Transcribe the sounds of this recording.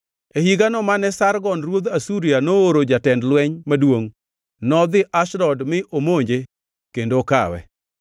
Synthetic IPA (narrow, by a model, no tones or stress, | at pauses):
ehiɡanɔmanɛsaɾɡɔnrwod̪asuɾianoːɾod͡ʒatɛndlwɛɲmadwoŋ | nɔd̪ɪʔaʃɾɔdmɪʔomoɲd͡ʒe | kendoka̰wɛ̰